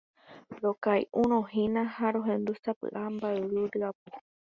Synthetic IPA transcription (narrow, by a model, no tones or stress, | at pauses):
ɾokajʔũɾ̃õɦĩnãhaɾoɦẽ̞nd̪usapɨ̰ʔambaeɾɨɾɨapo